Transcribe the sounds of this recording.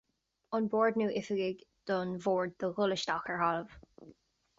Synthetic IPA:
ɔnbɔːɹdnuːʔɪfəɡɪɡd̪̥ɔnvɔːɹd̪̚dəɣʊləʃtɔxəɹhɑləv̥

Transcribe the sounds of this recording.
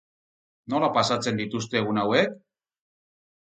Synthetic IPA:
no̞lapasat͡se̞nd̪it̪ust̪e̞ɣunawek̚

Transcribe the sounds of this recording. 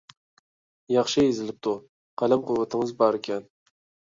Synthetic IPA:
jɑχʃɪezɪlɪp̚t̪ʰʊ | qʰɑlamqʰʊwat̪ʰɪŋɨzbɑɾekʲʰan

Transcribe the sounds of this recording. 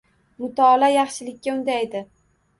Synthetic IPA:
mʊt̪ʰɒːlajɑχʃɪlɪkʲʰːaʊnd̪ajed̪ɪ

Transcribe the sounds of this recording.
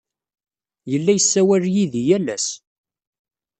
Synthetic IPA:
jəlːæjəsːæwæɾjiðijælːæs

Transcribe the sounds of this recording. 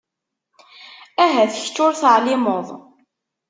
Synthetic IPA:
æɦæθəçt͡sːʊɾθəʕlɪmoðˤ

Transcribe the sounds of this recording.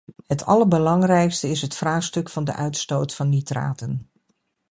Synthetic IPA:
ɦətɑ̰ləɹbəlɑŋrɛjkstəɪsɦətfraːχstɵkfɑndə̰ʔœɥtstowtfɑnːitra̰ːtən

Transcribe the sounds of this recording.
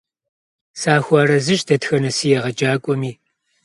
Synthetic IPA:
saːxʷaːrɐzɨʒdɐtxɐnɐsiːjɛʁɐd͡ʒʼaːkʷʼɔmiː

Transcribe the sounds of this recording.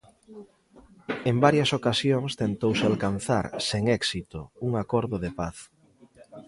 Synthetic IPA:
embaɾjɐsokasjoŋst̪ent̪owsealkanθa̰ɾseŋɛksit̪ouŋakɔɾðʊðepaθ

